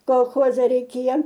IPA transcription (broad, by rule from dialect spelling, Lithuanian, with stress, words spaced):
koːlˠˈxoːzʲɛ rʲɛɪˈkʲeːjɛ